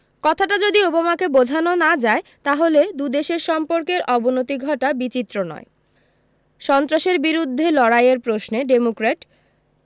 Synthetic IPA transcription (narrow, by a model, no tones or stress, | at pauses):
kɔt̪ʰaʈad͡ʑod̪iobamakebod͡ʑʱanonad͡ʑaet̪aɦoled̪ud̪eʃeɾʃɔmpoɾkeɾʔɔbonot̪iɡʱɔʈabit͡ɕit̪ːɾonɔ̰e | ʃɔnt̪ɾaʃeɾbiɾud̪ʱːelɔɽajeɾpɾosneɖemokɾeʈ